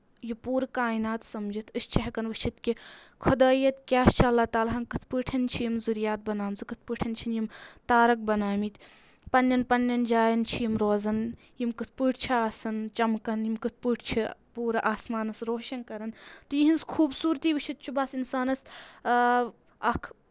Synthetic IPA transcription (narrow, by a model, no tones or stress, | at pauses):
jupuːɾkaːinaːt̪sɐmd͡ʒʱit̪ʰɨst͡ʃʰɐɦɐkɐnʋɨt͡ʃʰit̪kʲi | kʰɐd̪aːjɐt̪kʲaːst͡ʃʰiɐlːaːt̪aːlɐɦɐnkɨt̪ʰpɨːʈʰɐnt͡ʃʰijimzuɾjaːt̪̚bɐnaːmzɨkɨt̪ʰpɨʈʰɐnt͡ʃʰinjimt̪aːɾɐk̚bɐnaːmit̪ | pɐnːjɐnpɐnːɐnd͡ʒaːjɐnt͡ʃʰijimɾoːzɐn | jimkɨt̪ʰpɨːʈʰt͡ʃʰiaːsɐnt͡ʃɐmkɐnjimkɨt̪̚ʰpɨːʈʰt͡ʃʰipuːɾʔaːsmaːnɐsɾoːʃɐnkɐɾɐnt̪jiɦinskʰuːbsuːɾt̪iːʋɨt͡ʃʰit̪̚t͡ʃʰubɐsinsaːnɐs | ɐkʰ